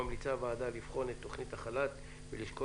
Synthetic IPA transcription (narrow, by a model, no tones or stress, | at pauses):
amlit͡sabaːd̪alifχo̞netːo̞χnit̪aχalat̪ | veliʃko